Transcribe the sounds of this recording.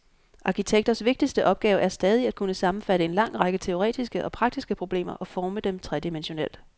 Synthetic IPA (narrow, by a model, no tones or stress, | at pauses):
ʔɑ̈kʰit͡sʰeɡ̥d̥ɐsʋe̝ɡ̥̚d̥isd̥əʔɒ̽b̥̚ɡ̥ɛːʊəʔæɐsd̥ɛːð̞ˠiæd̥̚kʰunəsɑ̈mn̩fæɾ̥əe̝nlɑ̈ŋ̰ʁɑ̈ɡ̥ət͡sʰe̝o̝ʁɛ̰ːd̥isɡ̥əʔɒ̽pʰʁɑ̈ɡ̥̚d̥isɡ̥əpʰʁo̝b̥le̝̰ːmɐʔɒ̽fɒːməd̥emt͡sʰʁɛd̥imenɕo̝nel̰d̥